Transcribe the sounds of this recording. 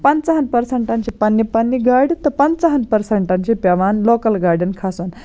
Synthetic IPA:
pɐnt͡sɐɦɐnpɐɾseɳʈant͡ɕepanːipanːiɡaɾɖt̪əpɐnt͡sɐɦənpɐɾseɳʈant͡ɕepaʋanlokəlɡaɾɖənkʰason

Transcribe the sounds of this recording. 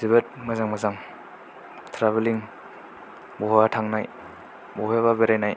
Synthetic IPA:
ziβet̚mazaŋmazaŋ | tʰɾaβeliŋ | bɔɦɔbatʰaŋnaj | bɔɦɔjaβabeɾajnaj

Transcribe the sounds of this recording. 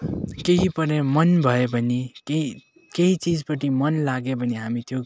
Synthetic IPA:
keɦipʌɾemʌnbʱʌebʱʌnikei | keɦit͡sid͡zpʌʈimʌnlaɡebʱʌniɦamit̪ʰjo

